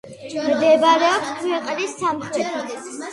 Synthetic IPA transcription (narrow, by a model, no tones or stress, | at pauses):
md̪ɛbaɾɛɔpskʰwɛqʼnisːamχɾɛt̪ʰi